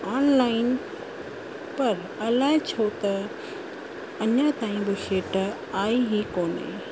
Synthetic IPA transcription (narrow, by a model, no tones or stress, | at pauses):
aːnlaːɪn | pɐɾ | ɐlaːɪt͡ɕʰot̪ɐ | ɐɲət̪aːĩbɪʃeːʈ | aːiɦikoːnḛː